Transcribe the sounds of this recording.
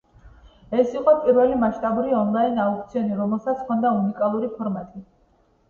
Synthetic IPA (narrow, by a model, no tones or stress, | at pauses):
ɛsiqʼɔpʼiɾvɛlimaʃt̪ʼabuɾiɔnlˠainauk̚ʰt̪sʰiɔniɾɔmɛlˠsat̪sʰkʰɔnd̪aunikʼalˠuɾipʰɔɾmat̪ʼi